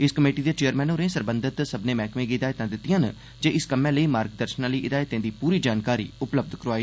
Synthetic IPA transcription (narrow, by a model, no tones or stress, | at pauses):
ɪskəmeːʈiːd̪eːt͡ʃeːəɾmɛ̃ːnoːɾẽːsəɾbə̃nd̪ʱɪt̪səbnẽːmɛːkmẽːɡɪd̪aːjt̪ãːd̪ɪt̪ːɪjãːn | d͡ʒeːɪskəmɛ̃ːləiːmaːɾkd̪əɾʃənãːləiːʔɪd̪aːjt̪ẽːd̪iːpuːɾiːd͡ʒaːnkaːɾḭːʊpləb̚d̪ʱkəɾoaːi